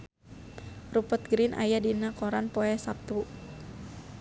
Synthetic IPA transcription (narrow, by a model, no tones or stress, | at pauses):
rupət̪̚ɡɾinʔa̰jadinakɔɾanpɔɛsap̚t̪u